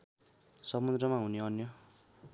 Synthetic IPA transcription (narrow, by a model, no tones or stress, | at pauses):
sʌmund̪rʌmaɦuneʌnjʌ